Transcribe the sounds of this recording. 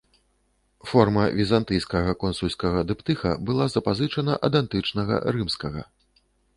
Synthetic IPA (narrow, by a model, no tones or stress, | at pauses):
fɔrmɐvʲizant̪ɨjskɐɣɐkɔnsulʲskɐɣɐd̪ɨpt̪ɨxɐ̰bɨlˠazɐpazɨt͡ʂɐnɐʔɐd̪ant̪ɨt͡ʂnɐɣɐ̰ɾɨmskɐɣɐ̰